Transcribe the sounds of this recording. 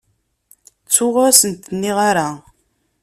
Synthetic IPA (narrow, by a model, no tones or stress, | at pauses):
t͡sːʊʁʊɾsənt̪nːiʁaɾa